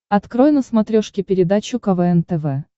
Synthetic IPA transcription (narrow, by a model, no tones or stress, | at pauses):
ɐt̪kɾojnəsmɐt̪ɾʲoʂkʲɪpʲɪɾʲɪd̪at͡ɕʊkɐvɛɛnt̪ɛvɛ